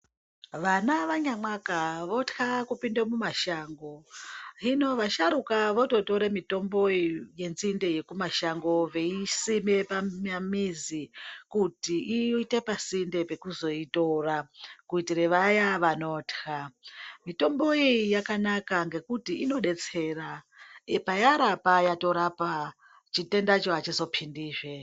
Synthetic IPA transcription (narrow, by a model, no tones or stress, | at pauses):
ʋanaʋaɲamakaʋo̞txakupindamumaʃaːŋɡo̞ino̞ʋaʃaɾukaʋo̞to̞to̞ɾemito̞mbo̞ije̞nzinde̞je̞kumaʃaŋɡo̞ʋe̞isimepamamizikutiʔiite̞pasinde̞pe̞kuzo̞ito̞rakuitiɾeʋajaʋano̞txamito̞mbo̞ijakanakaŋɡe̞kutiino̞ɗe̞t͡se̞ːra | epajaɾapajato̞ɾapa | t͡ʃite̞ndat͡ʃoat͡ʃizo̞pʰindiːʐe